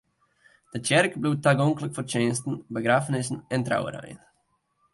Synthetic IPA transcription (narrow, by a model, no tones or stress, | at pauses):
d̥ət͡ʃɛrkbluːtːaɡɔŋkləkfɔrt͡ʃeːnstn̩bəɡɾaːfənɪsən̩ɛntra̰wə̰ɾə̰jn